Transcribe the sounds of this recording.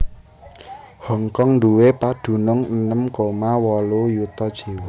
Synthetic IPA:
hɔŋkɔŋnduwepad̪̥ṳnʊŋənəmkomawɔlojut̪ɔd̥ʒ̥e̤wɪ

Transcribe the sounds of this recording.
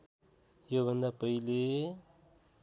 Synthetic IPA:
jobʱʌnd̪apʌile

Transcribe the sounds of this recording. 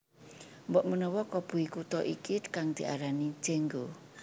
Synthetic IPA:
mbɔʔmənɔwɔkɔb̥ṳikut̪ɔʔikikaŋd̪̥i̤ʔaɾani̥d͡ʒeŋɡo

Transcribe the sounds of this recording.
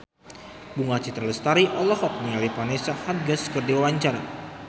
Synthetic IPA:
buŋat͡ʃit̪ərləst̪aɾiʔɔlɔhɔk̚nialipanesahat̪̚ɡəskərdiwwaɲt͡ʃara

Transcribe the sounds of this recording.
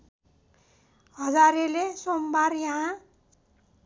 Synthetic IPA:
hʌd͡zaɾelesombarjaɦã

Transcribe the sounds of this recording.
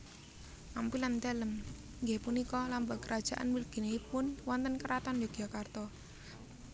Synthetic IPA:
ʔampilant̪ɛləm | ŋɡepunikɔlambakəɾʔad̥ʒ̥a̤ʔa̰nmilɡ̥i̤neipʊnwɔnt̪ənkəɾat̪anjɔɡ̥iakart̪ɔ

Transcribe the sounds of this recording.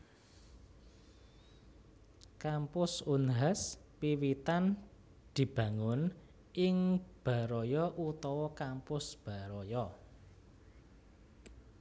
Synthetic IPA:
kampʊsunɦaspiwit̪an | d̪̥i̤b̥ä̤ŋʊn | ʔɪŋb̥a̤ɾɔjɔʔut̪ɔwɔkampʊsb̥a̤ɾɔjɔ

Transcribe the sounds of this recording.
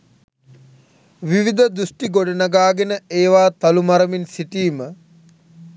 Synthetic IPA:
ʋiʋid̪əd̪ɾusʈiɡoɖɐnaɡaːɡenəeːʋaːt̪ɐlumɐɾɐminsiʈiːmə

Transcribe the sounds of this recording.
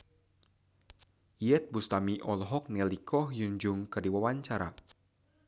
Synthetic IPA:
iɛt̪̚bust̪amiʔɔlɦɔk̚nɛlikʰɔhjuɲd͡ʒʊŋkɨrdiwawaɲt͡ʃaɾa̰

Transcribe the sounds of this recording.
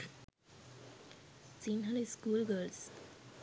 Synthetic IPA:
sinɦɔleskulɡəls

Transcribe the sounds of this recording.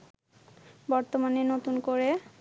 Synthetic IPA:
bɔɾt̪omanenot̪unkoɾe

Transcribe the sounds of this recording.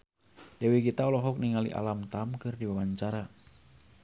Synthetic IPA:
dɛwiɡit̪aɔlɔɦɔk̚niŋalḭʔa̰lamt̪amkɨrdiwawaɲt͡ʃaɾa

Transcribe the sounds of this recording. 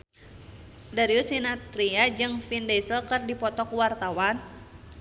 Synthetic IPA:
daɾiusinat̪ɾiad͡ʒɨŋfindɛsəlkɨrdipɔt̪ɔkuwart̪awan

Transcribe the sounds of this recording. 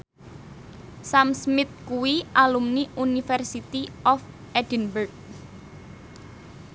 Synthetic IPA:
samsmɪt̪̚kuwiʔalumniʔunifɛrsit̪iʔɔf | ɛd̥ənburɡ̚

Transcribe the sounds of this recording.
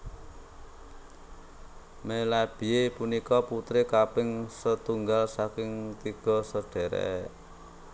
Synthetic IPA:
melab̥iepunikɔput̪ɾekapɪŋsət̪uŋɡalsakɪŋt̪iɡ̥ɔ̤səɖ̥ɛ̤ɾɛ̰

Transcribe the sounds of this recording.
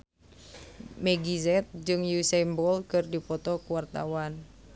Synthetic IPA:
mɛɡizɛt̪̚d͡ʒɨŋjusɛmbɔlkɨrdipɔt̪ɔkuwart̪a̰wan

